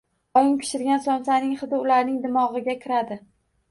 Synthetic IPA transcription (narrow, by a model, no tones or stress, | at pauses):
ɒjɪŋpʰɪ̥ʃɪɾɡʲansɒmsanɪŋχɨd̪ɪʊlaɾnɪŋd̪ɪmɒʁɨɡʲakʲʰɪɾad̪ɪ